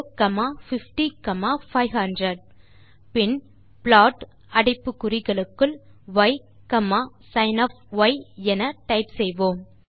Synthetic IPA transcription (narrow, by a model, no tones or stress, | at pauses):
kɐmaːfɪfʈikɐmaːfɐɪɦɐndɾɐɖ̚ | pɪn | pɭaːʈ | ɐɽɐɪpːɯkːʊɾɪɣɐɭɯkːɯlʋɐɪ | kɐmaː | sɐɪnɐːfʋɐɪɛnɐʈɐɪpsɛjʋõːm